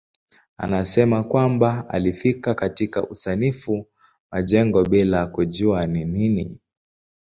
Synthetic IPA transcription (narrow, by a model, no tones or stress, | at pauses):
a̰nasɛmakwambaa̰lifikakatika̰ʔusanifu | maʄɛŋɡɔɓilakuʄuanininḭ